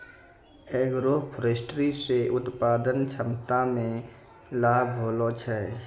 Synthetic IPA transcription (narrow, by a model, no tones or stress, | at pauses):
eːɡɾoːpʰɾeːsʈɾiseʔʊt̪paːd̪ənt͡ʃʰəmt̪amẽ | laːbʱɦoːlot͡ʃʰɛ